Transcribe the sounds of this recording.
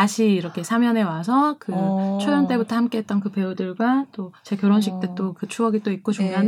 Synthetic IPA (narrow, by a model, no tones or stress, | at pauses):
aɕʰiiɾʌkʰe̞sʰamjʌne̞was̬ʰʌkɯt͡ɕʰojʌnt͈e̞butʰʌhamk͈e̞ɦet̚t͈ʌnkɯpe̞udɯɭɡwat͈ot͡ɕe̞kjʌɾʌnɕ̬ʰik̚t͈e̞t͈okɯt͡ɕʰuaɡit͈oik̚k͈od͡ʑoɲʌn